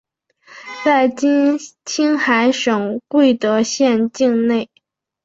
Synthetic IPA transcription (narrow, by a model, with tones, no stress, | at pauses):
t͡sa˥˩ɪt͡ɕt͡ɕʰi˥ŋxa˧˥ɪʂɤ˨˩ŋkwe˥˩ɪt̪ɤ˧˥ɕjɛ˥˧nt͡ɕi˥˧ŋne˥˩ɪ